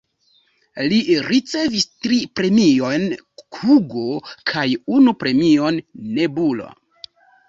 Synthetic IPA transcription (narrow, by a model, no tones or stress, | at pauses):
liɾit͡se̞vistɾipɾe̞mio̞nkʰuɡokʰajunupɾe̞mio̞nːebulo̰